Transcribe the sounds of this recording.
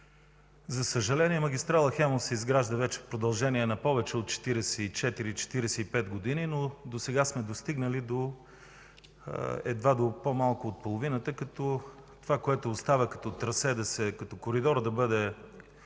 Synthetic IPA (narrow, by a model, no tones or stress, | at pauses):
zɐsəʒɐlɛniɛmɐɡʲist̪ɾalˠəxɛmosɛizɡɾaʒd̪əvɛt͡ʃɛ̥fpɾod̪ɐlˠʒɛniɛnɐpɔvɛt͡ʃɛot̪̚t͡ʃɛ̥t̪iɾɛsɛit͡ʃɛt̪iɾit͡ʃɛ̥t̪iɾɛsɛipɛt̪ɡod̪ininod̪osɛɡasmɛd̪ost̪iɡnəlid̪o | ɛ̰d̪vad̪opomalˠkʊːt̪̚polˠovinət̪əkɐt̪ɔ | t̪ovakoɛt̪ʊːst̪avəkɐ̥t̪ɔt̪ɾɐsɛd̪ɐsɛkɐt̪ɔkoɾid̪ɔɾd̪ɐbɤd̪ɛ